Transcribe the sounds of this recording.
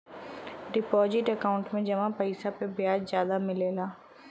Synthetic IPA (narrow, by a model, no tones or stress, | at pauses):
ɖɪpɔːzɪʈəkaːʊ̃ɳʈmẽd͡ʒɐʋãpəɪsapebjaːd͡ʒzjaːd̪amɪleːlaː